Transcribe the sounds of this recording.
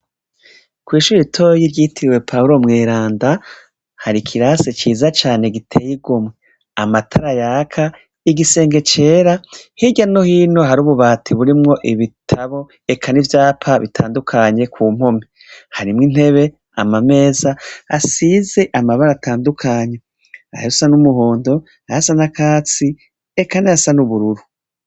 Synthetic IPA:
kwiːʃuɾɾitʰo̞ːjiɾɟiːtʰiɾiwe̞pʰauɾo̞mŋeːɾaːnda | haɾikʰiɾaset͡ʃiːzat͡ʃaːne̞ɡitʰejiɡomŋe | amatʰaɾajakʰa | iɡise̞ːŋɡe̞t͡ʃe̞ːɾahiɟano̞hiːnoɦaɾuːβuβaːtʰiβuɾimŋo̞ʔiβitʰaβo̞ | ekʰanivjaːpʰaβḭtʰaːndukʰaːɲe̞kʰuːm̥ho̞mi | haɾimŋin̥he̞βe̞ | amame̞ːza̰ːsize̞ʔamaβaɾatʰaːndukʰaːɲe̞ | a̰husanumuɦoːndo̞ | aasanakaːt͡si | ekaneasanuβuɾuɾu

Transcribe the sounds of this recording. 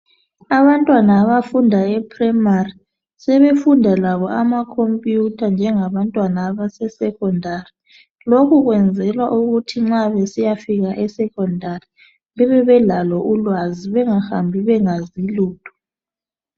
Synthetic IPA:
aβantʼwanaːβafundʱaɛpʰrɛmari | sɛβefundʱalaβɔʔamakʰompʼjutʰand͡ʒʱɛŋaβantʼwanaːβasɛsɛkɔndʱari | lokʰuɣwɛnd͡zʱɛlwaʔuɣutʰiŋ͡ǁaβesijafiɣaʔɛsɛkʰʼɔndʱari | βɛβɛβɛlalɔʔulwaziβɛŋahambʱiβɛŋaziluːd̥ʱu̥

